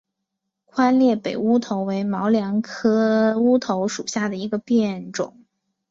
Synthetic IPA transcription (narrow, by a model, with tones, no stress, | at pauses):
kʰwa˥nljɛ˥˩pe˨˩ɪu˥t̪ʰo˧˥ʊwe˧˥ɪmɑ˧˥ʊljɑ˧˥ŋkʰɤ˥u˥t̪ʰo˧˥ʊʂu˨˩ɕja˥˩d̪ə˩i˧˥ɡə˧pjɛ˥˩nʈ͡ʂʊ̰˨˩˦ŋ